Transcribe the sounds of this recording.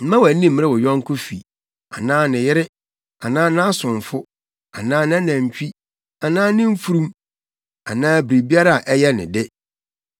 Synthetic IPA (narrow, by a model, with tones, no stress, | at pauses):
m̩˦mã˦wæ˨˦nĩ˦˨m̩˨m̃˦ɾɛ˦wɔ˨jɔ̃˦ŋ˦kʰʊ˦fḭ˨ | a̰˨nãː˦nɪ̃˨jɪ˦ɾɪ˦ | a˨nãː˦nã˦a˦sʊ̃˨ɱ˨fʊ˦ | a˨nãː˦ñ˦nã˨ɲ˨t͡ɕᶣi˦ | a˨nãː˦nɪ̃˦m̩˦fu˦ɾũ˦m | a˨nãː˦bɾi˨bi˦a˦ɾa˦a˨ʔɛ˦jɛ˦nɪ̰̃˨dɪ˦